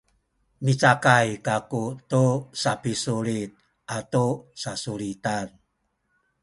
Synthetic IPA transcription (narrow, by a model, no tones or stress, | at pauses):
mit͡sakajkakutusapisuɾit̪̚ | ʔatusasuɾitan